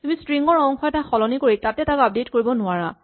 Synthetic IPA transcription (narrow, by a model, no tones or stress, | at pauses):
tumistɹiŋɡɔɹɔŋxɔɛtaxɔlɔnikoɹitatɛtakap̚detkoɹibɔnʊaɹa